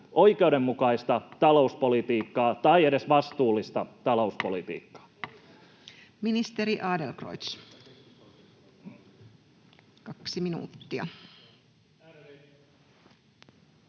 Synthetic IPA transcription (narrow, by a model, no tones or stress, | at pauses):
ʔoikeudemːukɑist̪ɑt̪ɑlouspolit̪iːkːɑːt̪ɑiedesʋɑst̪uːlːist̪ɑt̪ɑlo̞uspolit̪ḭːkːɑ̥ː | minist̪eɾiʔɑːdelkro̰jt̪s | kɑksiminṵːt̪ːiɑ̰